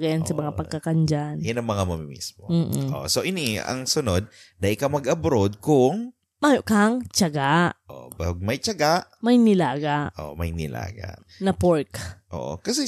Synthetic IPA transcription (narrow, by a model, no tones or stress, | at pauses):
ɡɐjansɐmɐŋapɐɡ̚kakɐnd͡ʒanjanɐŋmɐŋamɐmimḭsmom̩ːʔ̩ʔo̰ʔsoʔɪniɐ̰ŋsʊnod̪̚ː | ɐʔɪkawmɐɡʔɐbɾod̪̚kʊŋ | majoʔkaŋt͡ʃaɡaʔʔo̰baɡ̚mɐjt͡ʃɐɡaʔmɐjnɪlaːɡaʔʔo̰ʔmɐjnɪla̰ːɡa̰ʔ | nɐpoɹkʔo̰ːʔo̰kɐsɛ